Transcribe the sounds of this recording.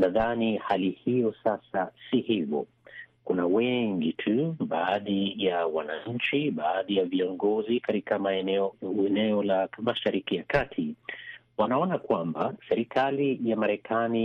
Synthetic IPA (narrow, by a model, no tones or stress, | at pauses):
naðanihalihijɔsasasihivɔ̰ | kunawɛŋɡitʰuɓaːɗijawana̰ɲ̩t͡ʃiɓaːɗijaviɔŋɡɔzikaɾikamaɛɛɛnɛɔlamaʃaɾikijakatʰiwanaɔnakwambasɛɾikalijamaɾɛkʰani